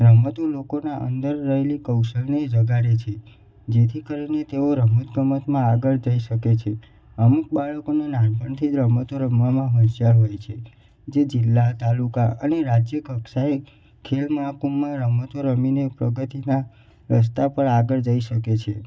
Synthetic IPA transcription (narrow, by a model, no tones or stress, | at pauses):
ɾəmət̪olokonaʔə̰nd̪əɾːəɦelikəwʃəlned͡ʒəɡaɾet͡ʃʰe | d͡ʒet̪ʰikəɾinet̪eoɾəmət̪ɡʱəmət̪mãaɡəɭd͡ʒəiʃəket͡ʃʰe | əmuk̚baɭəkonenãnbʱəɳt̪ʰiɾəmət̪oɾəmːamãɦəʃjaɾɦojt͡ʃʰe | d͡ʒed͡ʒilːat̪alukaəneɾad͡ʒjəkəkʃae | kʰelmakumːãɾəmət̪oɾəminepɾəɡət̪ina | ɾəs̬t̪apəɳaɡəɭd͡ʒəiʃəket͡ʃʰe